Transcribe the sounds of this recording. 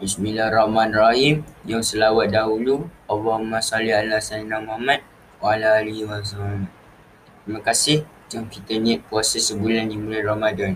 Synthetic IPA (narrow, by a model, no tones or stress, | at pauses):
bismilahrɔhmãnraɦimjaŋsəlawat̪̚daɦulualːɔɦumãsaliɦalasanamamãt̪̚ | walaːliwas̬amamat̚ | t̪ɾimãkasɪh | d͡ʒʊŋkit̪əniat̪̚kuasasəbulandimulajramadan